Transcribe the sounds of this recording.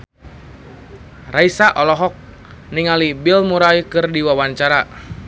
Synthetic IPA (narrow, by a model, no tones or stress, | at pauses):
raisaʔɔlɔɦɔk̚ | niŋalibilmuɾaikɨrdiwawaɲt͡ʃaɾa